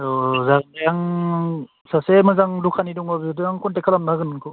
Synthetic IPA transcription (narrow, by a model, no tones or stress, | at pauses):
ɔzaɡjaŋ | sasemɯzaŋdukʰanidɔŋbabiɔdɯjaŋkʰɔntekʰalamnaɡɯnɯnkʰɔ